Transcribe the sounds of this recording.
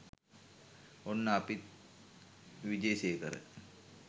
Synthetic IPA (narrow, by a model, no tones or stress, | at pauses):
onːəapit̪̚ | ʋid͡ʒejsekəɾə̰